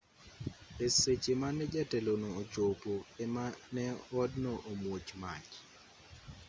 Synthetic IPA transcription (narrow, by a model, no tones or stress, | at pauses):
eset͡ʃemanːɛd͡ʒatelonoːt͡ʃopoɛmanɛɔdnoʔomwot͡ʃmat͡ʃ